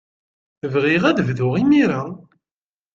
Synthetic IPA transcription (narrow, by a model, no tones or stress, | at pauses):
vʁiʁæðvðʊʁimiɾæ